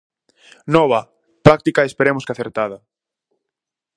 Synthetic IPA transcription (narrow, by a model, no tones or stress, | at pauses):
nɔβɐ | pɾak̚t̪ikaespeɾemʊskaθeɾt̪aðɐ